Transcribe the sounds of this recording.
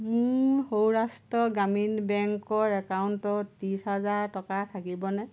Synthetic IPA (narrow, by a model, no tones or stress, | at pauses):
muɹhowɹastɔɡaminbɛŋkɔɹɛkawntɔtisɦazaɹtɔkatʰakibɔnɛ